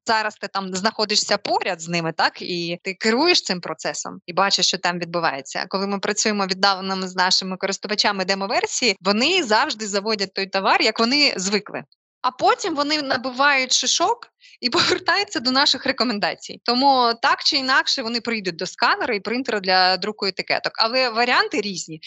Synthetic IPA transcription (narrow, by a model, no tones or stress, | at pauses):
zɑɾɐst̪ɪt̪ɑmznɐxɔd̪ɪʃsʲɐpɔɾʲɐd̪znɪmɪt̪ɑkit̪ɪkɪɾujeʃt̪ɪmpɾɔt̪sɛsɔ̰mibɑt͡ʃɪʃt͡ʃɔt̪ɑmʋʲid̪̚bʊʋɑ̰jet͡sʲːɐ̰kɔlˠɪmɪpɾɐt͡sʲujemɔʋʲid̪ːɑʋenɔmɪznɑʃɪmɪkɔɾɨst̪ʊʋɐt͡ʃamɪd̪ɛmɔʋɛrsʲijiʋɔnɪzɑwʒd̪ɪzɐʋɔdʲɐt̚ʲt̪ːɔjt̪ɔʋɑrjɐkʋɔnɪzʋɪklˠɪ̰ | ɐpɔtʲimʋɔnɪnɐbɪʋɑjʊtʲʃɪʃɔk | ipɔʋert̪ɑjʊt͡sʲːɐd̪ɔnɑʃɪxrekɔmend̪ɑ̰t͡sʲḭjt̪ɔmut̪ɑkt͡ʃɪinɑkʃɛʋɔnɪpɾɪjid̪ʊt̚ʲd̪ɔskɑnɐɾɐipɾɪnt̪ɾɐd̪lʲɐd̪ɾukɔjʊt̪ɪkɛ̰t̪ɔkɐlˠɛʋɐɾʲiant̪ɪɾʲizʲnʲi